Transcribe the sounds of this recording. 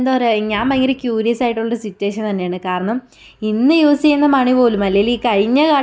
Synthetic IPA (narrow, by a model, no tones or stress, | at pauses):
nd̪oːɾeɲːaːmmɐŋːɐlekjuːɾijɐsaːjiʈːuɭːɐɾɨsitːuweːʂɐnt̪ɐnːe̞jaːɳɨkaːɾɐɳɐm | inːɨjuːst͡ɕejunːɐmɐɳipo̞ːlumːɐlejiliːkɐɻiɲːɐkaː